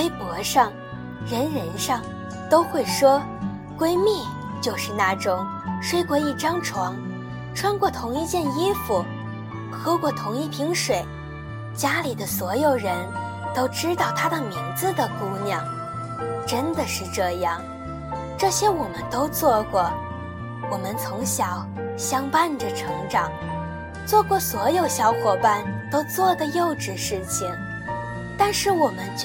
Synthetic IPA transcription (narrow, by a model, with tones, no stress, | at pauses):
we˥ɪpwɔ˧˥ʂɑ˥˩ŋ | ɻə˧˥nɻə˧˥nʂɑ˥˩ŋ | t̪o˥ʊxwe˥˩ɪʂwɔ˥ | kwe˥ɪmi˥˩ | t͡ɕjo˥˧ʊʂɻ̩˥˩na˥˩ʈ͡ʂʊ˥ŋ | ʂwe˥ɪkwɔ˧˥i˥˩ʈ͡ʂɑ˥ŋʈ͡ʂʰwɑ˧˥ŋ | ʈ͡ʂʰwa˥nkwɔ˥˩t̪ʰʊ˧˥ŋi˥˧t͡ɕjɛ˥˩ni˥fu˨˩ | xɤ˥kwɔ˥˩t̪ʰʊ˧˥ŋi˥˩pʰi˧˥ŋʂwe˨˩ɪ | t͡ɕja˥li˨˩d̪ə˦swɔ˧˥jo˨˩ʊɻə˧˥n | t̪o˥ʊʈ͡ʂɻ̩˥t̪ɑ˥˩ʊt̪ʰa˥d̪ə˨mi˧˥ŋd͡zɹ̩˧d̪ə˨ku˥njɑ˥˩ŋ | ʈ͡ʂə˥nd̪ə˨ʂɻ̩˥˧ʈ͡ʂɤ˥˧jɑ˥˩ŋ | ʈ͡ʂɤ˥˩ɕjɛ˥wɔ˨˩mə˦nt̪o˥ʊt͡swɔ˥˩kwɔ˥˩ | wɔ˨˩mə˦nt͡sʰʊ˧˥ŋɕjɑ˧˥ʊ | ɕjɑ˥ŋpa˥˩nʈ͡ʂə˨˩ʈ͡ʂʰɤ˧˥ŋʈ͡ʂɑ˨˩˦ŋ | t͡swɔ˥˧kwɔ˥˩swɔ˧˥jo˨˩ʊɕjɑ˧˥ʊxwɔ˨˩pa˥˩nt̪o˥ʊt͡swɔ˥˩d̪ə˨jo˥˩ʊʈ͡ʂɻ̩˨˩ʂɻ̩˥˩t͡ɕʰi˨˩ŋ | t̪a˥˧nʂɻ̩˥˩wɔ˨˩mə˦nt͡ɕ